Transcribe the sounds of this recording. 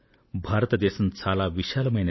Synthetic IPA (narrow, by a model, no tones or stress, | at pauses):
bʱaɾt̪əd̪esənt͡salaʋiɕalməjn